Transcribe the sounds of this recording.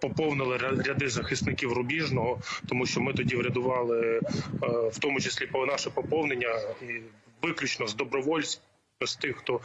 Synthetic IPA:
pɔpɔwnɪlˠɪɾʲɐd̪ɪzɐxɪst̪nɪkʲiwrʊbʲiʒnɔɦɔt̪ɔmuʃt͡ʃɔmɪt̪ɔdʲiʋɾʲɐd̪ʊʋɑlˠɪ | wt̪ɔmʊt͡ʃesʲlʲipɔnɑʃɛpɔpɔwnenʲːɐiʋɪklʲut͡ʃnɔzd̪ɔbɾɔʋɔlʲsʲ | ɔst̪ɪxxt̪ɔ

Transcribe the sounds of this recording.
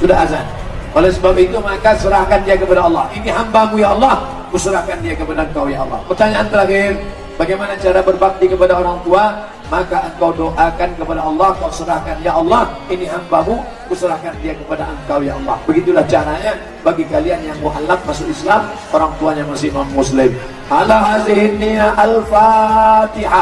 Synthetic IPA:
sudaazan | ʔolɛhsəbap̚it̪umakasəɾahkandiakəpadaɑlːɑhiniɦambamujaɑlːɑh | kusəɾahkandiakəpadaəŋkawjaɑlːɑ̰hpərt̪aɲaʔant̪əɾaxɪr | baɡajmanat͡ʃaɾabərbak̚t̪ikəpadaoɾaŋt̪ua | makaʔəŋkawdoʔakankəpadaɑlːɑhŋkawsəɾahkanjaʔɑlːɑh | iniɦambamu | kusəɾahkandiakəpadaʔəŋkawjaɑlːɑhbəɡit̪ulaht͡ʃaɾaɲa | baɡikalianjaŋmuʔalak̪̚masʊkislam | oɾaŋt̪uaɲaməs̬ɪmamːʊslɪm | halaɦazɪɦɪniaʔalfat̪iha

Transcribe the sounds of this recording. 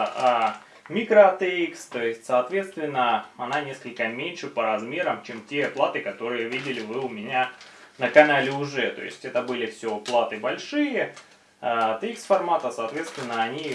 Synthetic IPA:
a | mʲikɾəɐt̪ɨikst̪o̞jɪsʲtʲsɐːt̪vʲe̞t̪st̪vʲɪnːəɐnanʲe̞skəlʲkəmʲenʲʂɨpəɾɐzmʲe̞ɾəmt͡ɕemtʲeplˠat̪ɨkɐt̪o̞ɾɨjəvʲidʲɪlʲɪvɨʊmʲɪnʲa | nəkɐnalʲɪʊʐɛt̪o̞̰jɪ̰sʲtʲɛt̪əbɨlʲɪfsʲoplˠat̪ɨbɐlʲʂɨjə | aɐt̪ɨiksfɐrmat̪əsɐːt̪vʲet̪st̪ʲvʲɪnːəɐnʲi

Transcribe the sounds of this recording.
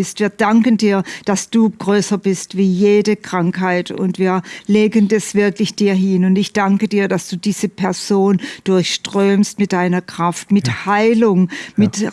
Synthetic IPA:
ɪstv̥iːɐd̥aŋkəndiːɐd̥asd̥uːɡ̥ʁøːsɐbɪstv̥iːjeːdəkʁ̥aŋkhaɪtʊ̰ntv̥iːɐleːɡəndasv̥ɪɐklɪçd̥iːɐɦɪnʊntɪçd̥aŋkədiːɐd̥asd̥uːdiːzəpʰɛɐz̥oːnd̥ʊɐçʃtʁ̥øːmstmɪt̚d̥aɪnɐkʁ̥aftmɪthaɪlʊŋmɪt

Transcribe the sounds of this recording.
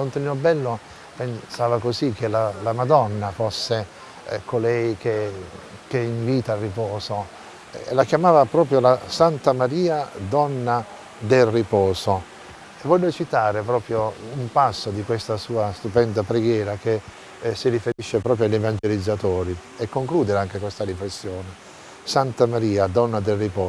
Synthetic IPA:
lont̪ninobɛlːo | pensaːvakozikːelalamad̪ɔnːafosːe | kolɛjkekeiɱviːt̪alrːipɔːzo̰ | lakjamaːvapɾɔːpɾjolasant̪amaɾiːad̪ɔnːa | d̪elripɔːzo | evːɔʎːot͡ʃit̪aːɾep̬ɾɔːpɾjoumpasːod̪ikwest̪asuːast̪upɛnd̪apɾeɡjɛːɾak̟e | siɾifeɾiʃːepɾɔːpɾjaʎːevand͡ʒelid̪zːat̪ɔːɾi | ekːoŋkluːd̪eɾeaŋkekwest̪aɾiflesːjoːne | sant̪amaɾiːad̪ɔnːad̪elripɔː

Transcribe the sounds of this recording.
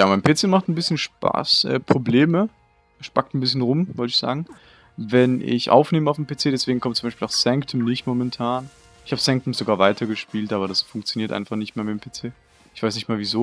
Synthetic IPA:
jaːmaɪnpʰet͡seːmaχtn̩bɪsçənʃpa̰ːsʔɛ̰ːpʁ̥obleːmə | ʃpak̚tn̩bɪs̬çənʁʊmvɔltɪçz̥a̰ːɡŋ̩ | vɛnʔɪ̰çʔa̰ʊfneːməaʊfm̩pʰeːt͡seːdɛsv̥eːɡŋ̩kʰɔmt̚t͡sʊmbaɪpiːlʔaʊxsɛŋktʰəmnɪçtmomɛntʰaːn | ʔɪçhaːbəsɛŋktəmz̥oɡaːɐvaɪtʰɐɡəʃpiːltʔaːbɐɾasfʊŋk̚t͡sjoniːɐtʔa̰ɪnfaχnɪçtmeːɐmɪtːmpʰet͡seː | ʔɪçv̥aɪsnɪçtmaːɐviːzoː

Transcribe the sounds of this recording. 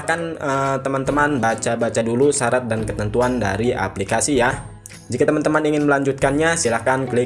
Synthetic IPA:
kanət̪əmant̪əmanbat͡ʃabat͡ʃadulusaɾat̪̚dankət̪ənt̪uanda̰ɾia̰plikasija | d͡ʒikat̪əmant̪əmaniŋɪnməlaɲd͡ʒut̪̚kanɲasilahkanklɪ

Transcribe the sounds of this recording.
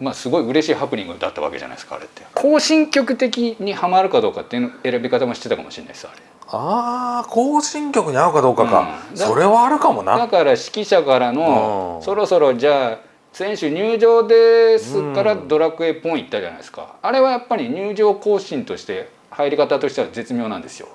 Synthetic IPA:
maːsɨɡo̞iɯ̟ɾe̞ɕiːhapːɯ̟ɲʲḭ̃ŋɡɯd̪a̰t̪ːaβa̰ke̞̰ʑa̰na̰isɨ̥ka̰ɾe̞t̪ːe̞̥kʰo̞ːɕĩŋkʲo̞kɯ̟t̪e̞kʲiɲ̟ihamaɾɯ̟kad̪o̞ːkat̪ːeiɯnoe̞ɾabʲikat̪amo̞ɕi̥t̪e̞t̪aka̰mo̞ɕḭnːa̰isɨa̰ɾe̞akoːɕĩŋkʲokɯ̟ɲ̟iaɯ̟kad̪o̞ːkaka̰dsao̞ɾe̞βaːɾɯ̟kamo̞na̰d̪akaɾaɕi̥kʲiɕakaɾano̞so̞ɾo̞so̞ɾo̞d͡ʑaː | sẽ̞ɰ̃ɕɨɲ̟ɨːʑo̞ːd̪e̞sɨkaɾad̪o̞ɾakɯ̟e̞ːpõĩit̪ːad͡ʑa̰na̰isɨ̥ka̰aɾe̞βajapːaɾʲiɲ̟ɨːʑo̞ːko̞ːɕĩnt̪o̞ɕi̥t̪e̞ | haiɾʲikat̪at̪o̞ɕi̥t̪e̞βaze̞t͡sɨmʲjo̞ːnã̰nd̪e̞sɨjo̞̰

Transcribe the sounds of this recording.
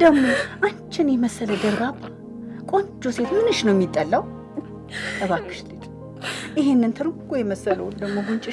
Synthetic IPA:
d̪̥əɡmo̞ʔant͡ʃʰːɪnjɛməsələɡ̪əɾbabː | kʼo̞nd͡ʒose̞t̪mɨnɨʃnəwmːit̪ʼːəlːaw | sʼəβakʰːɨ̥ʃlɨt̪ʼ | ʔɪɦɪnːɨnt̪ʰɨɾɨɡojɛməsːələwd̪əɡmoɡunt͡ʃʼɪ

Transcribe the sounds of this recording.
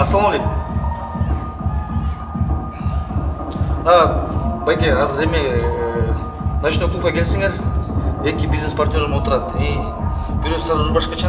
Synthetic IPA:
ɑsɑlˠmɑɡe | abajk̪ʲejɑzɨɾe̞mɪ | naʃnoklˠupɑkʲʰe̞lsiŋe̞ɾ | ekʲibʲiznespart̪ʲnʲo̞ɾmot̪ʊɾɑt̪i | b̥ʲɪɾoqsaɾzbɑʃqɑt͡ʃʰɑ

